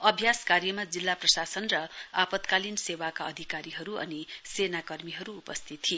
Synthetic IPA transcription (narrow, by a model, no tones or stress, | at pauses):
ʌbʱjaskarjʌmad͡zilːaprʌsasʌnrʌapʌt̪kalinsewakaʌd̪ʱikaɾiɦʌɾuʌ̰nisenakʌrmiɦʌɾuːpʌst̪ʰit̪ʰːie